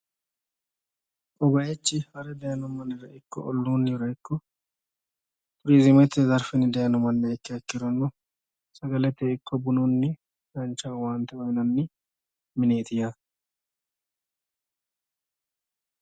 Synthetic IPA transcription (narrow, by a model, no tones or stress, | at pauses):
kʼɔɡɐjɛt͡ʃːɪhɐɾɛd̪ɐjɐnɔmɐnːɪɾɐʔɪkːɔ̰ʔɔlːuːnːɪɾɐɪkːɔ | t̪ʼʊɾizɪmɐt̪ːɛzɐɾfɪnːɪd̪ɐjɐnɔmɐnːɛɛkːɪɐkːɪɾɔnːɔ | sɐɡɐlɛt̪ːɛɪkːɔbʊnunːɪ | dɐnt͡ʃːawaːnt̪ɛwɐjnɐnːɪ | mɪneːt̪ɪja